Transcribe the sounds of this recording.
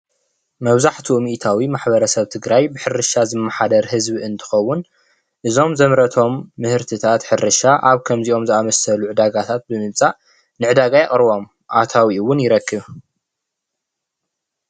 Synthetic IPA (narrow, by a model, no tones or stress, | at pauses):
mɐβzaħt̪ʰumiʔt̪ʰawimaħbɐɾɐsɐβt̪ʰɨɡɾajbɨħɨɾɨʃazɨmːaħad̪ɐɾhɨzbiɨnt̪ʰɨ̥xɐwːʊn | ʔɨzo̞mzɐmɾɐt̪ʰo̞mːɨhɨɾt̪ʰɨt̪ʰat̪ħɨɾɨʃaʔaβkʰɐmziʔo̞mzɨamɐsɐluʕɨd̪aɡat̪ʰat̪̚bɨmɨβt͡sʼaʔ | nɨʕɨd̪aɡajɛχʼɾβo̞m | ʔat̪ʰawiwʊnjɪɾɐkːɨβ